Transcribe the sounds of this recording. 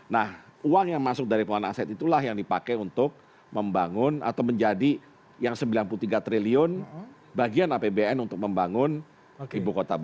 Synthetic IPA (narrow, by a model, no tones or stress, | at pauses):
nahuaŋjaŋmasʊk̚daɾipuana̰sɛt̪it̪ulaɦjaŋdipakɛunt̪ʊk̚ | məmbaŋʊna̰t̪awməɲd͡ʒadi | jaŋsəmbilanpulut̪iɡat̪ɾeliʊn | baɡianapebeɛnunt̪ʊk̚məmbaŋʊn | ibukot̪ab